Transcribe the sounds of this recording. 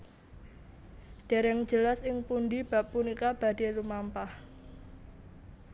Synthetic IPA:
ɖ̥a̤ɾɛŋd͡ʒəlasɪŋpundib̥a̤pːunikab̥a̤d̥e̤lumampah

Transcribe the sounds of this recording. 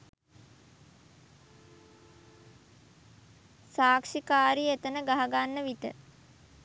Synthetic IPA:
saːkʂikaːɾiet̪ənəɡaɦaɡanːəʋit̪ə̰

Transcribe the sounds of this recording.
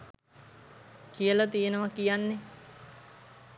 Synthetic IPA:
kijəlat̪ijenəʋakijanːe

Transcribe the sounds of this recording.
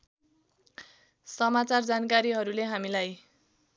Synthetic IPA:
sʌmat͡sard͡zankaɾiɦʌɾuleɦamilaj

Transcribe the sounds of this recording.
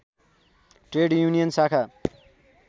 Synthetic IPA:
ʈreɖjunijʌnsakʰa

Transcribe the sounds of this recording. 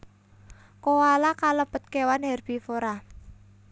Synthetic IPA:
kowalakaləpət̪̚kewanhɛrb̥ifoɾa

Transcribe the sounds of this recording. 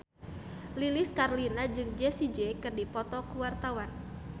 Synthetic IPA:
lilɪskarlinad͡ʒɨŋd͡ʒɛsid͡ʒekɨrdipɔt̪ɔkuwart̪awan

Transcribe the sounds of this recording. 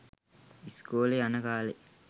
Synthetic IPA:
iskoːleɐnɐkaːle

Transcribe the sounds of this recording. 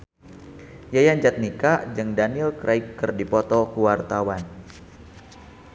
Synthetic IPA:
jajand͡ʒat̪̚nikaʔd͡ʒɨŋdanilkɾʔaikːɨrdipɔt̪ɔkuwart̪awan

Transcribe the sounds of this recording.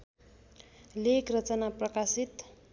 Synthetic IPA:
lekrʌt͡sʌnaprʌkasit̪

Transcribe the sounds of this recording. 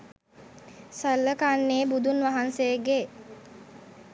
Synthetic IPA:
salːəkaːnːeːbud̪unʋaɦansejɡe

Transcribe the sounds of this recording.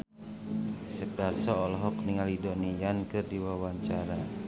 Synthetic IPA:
sɛparsɔːlɔɦɔk̚niŋalidɔnijankɨrdiwawaɲt͡ʃaɾa

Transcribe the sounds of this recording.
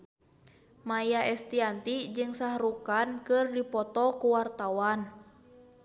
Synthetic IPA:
majaʔɛst̪iant̪id͡ʒɨŋsahɾukankɨrdipɔt̪ɔkuwart̪awan

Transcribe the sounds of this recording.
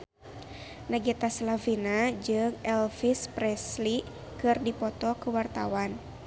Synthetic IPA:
naɡɛt̪aslavinad͡ʒɨŋɛlfispɾɛsli | kɨrdipɔt̪ɔkuwart̪a̰wan

